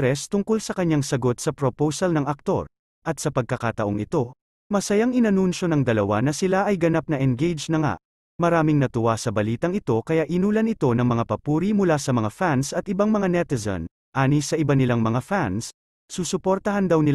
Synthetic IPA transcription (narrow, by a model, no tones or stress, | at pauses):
ɾɛst̪ʊŋkolsɐkɐɲːaŋsɐɡo̞t̪̚sɐpɾopowsɐlnɐŋɐk̚t̪o̞̰ɹ | ʔɐt̪̚sɐpɐɡ̚kɐkat̪ɐʔo̞ŋɪt̪o̞ | mɐsɐjaŋɪnɐnunʃo̞nɐŋd̪ɐlɐwa̰nɐsɪlaʔɐjɡɐnap̚nɐʔɛnɡejd͡ʒnɐŋa̰ʔ | mɐɾaːmɪŋnɐt̪ʊwasɐbɐliːt̪ɐŋɪt̪o̞kɐjaʔɪnuːlɐnɪt̪o̞nɐŋmɐŋapɐpuːɾimʊlasɐmɐŋafansɐt̪̚ɪbaŋmɐŋanɛt̪ɛzɐ̰n | ʔaːnisɐʔɪbanɪlaŋmɐŋafans | suːsʊpo̞ɾt̪ɐɦand̪ɐwnɪ